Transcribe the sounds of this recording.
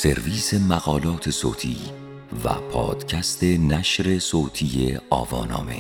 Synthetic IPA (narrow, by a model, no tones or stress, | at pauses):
se̞ɾviːsemæɣɒːlɒːt̪ʰe̞so̰ːt̪ʰḭː | væ̰pʰɒ̰ːd̪̥cʰæst̪e̞næʃɾe̞soːt̪ʰiːjḛɒ̰ːvɒːnɒ̰ːme